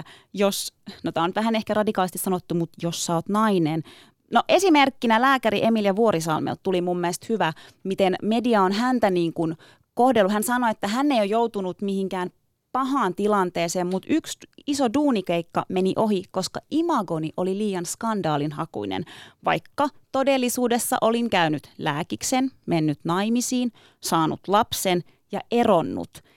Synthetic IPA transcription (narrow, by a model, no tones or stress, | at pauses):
josnot̪æːonyt̪ʋæɦænehkærɑdikɑːlist̪isɑnot̪ːumut̪josːɑoːt̪nɑinen | noʔesimerkːinælæːkæɾiʔemiljɑʋuoɾisɑ̰lmḛlt̪t̪ːulimumːiest̪hyʋæmit̪enmediɑonɦænt̪æniːŋkun | kohdelːuhænsɑnoet̪ːæɦænːeijojout̪unut̪mihiŋkæːn | pɑɦɑːnt̪ilɑnt̪eːseːmmut̪yksisoduːnikeikːɑmeniʔo̞ɦikoskɑimɑɡoniʔoliliːjɑnskɑndɑːlinhɑkṵinḛnʋɑ̰jkːɑt̪odelːisuːdesːɑ̰ʔoliŋkæynyt̪læːkiksenmenːyt̪nɑimisiːn | sɑːnṵt̪lɑpsen | jɑʔeronːṵt̪